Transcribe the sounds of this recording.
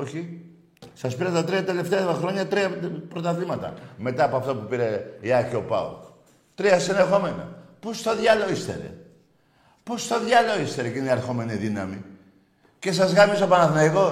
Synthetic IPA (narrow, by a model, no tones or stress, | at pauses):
oçi | sɐspiɾet̪ɐt̪ɾiɐt̪e̞le̞ft̪eɐxɾo̞ɲɐt̪ɾiɐpɾot̪ɐðlimɐt̪ɐ̰me̞t̪ɐːpoɐft̪opupiɾeiɐçio̞pɐ̰o̰ | t̪ɾiɐsinexo̞me̞nɐ̰post̪oðʝɐloist̪ḛɾḛ | post̪oðjɐloist̪eɾekiniɐɾxo̞me̞niðinɐmi | ce̞s̬ɐzɣɐmisopɐnɐθnɐjɣo